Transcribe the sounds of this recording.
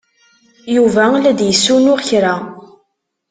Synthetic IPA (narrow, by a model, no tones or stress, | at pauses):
juvælæd̪jəsːunʊʁçɾa